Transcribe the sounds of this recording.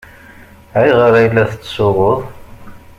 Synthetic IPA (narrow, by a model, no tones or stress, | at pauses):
ʕæjʁəɾæjlːæθət͡sːsʊʁʊðˤ